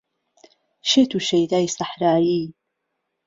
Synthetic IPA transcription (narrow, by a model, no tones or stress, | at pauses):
ʃet̪ʰuʃɐjd̪aːjsaħɾaːji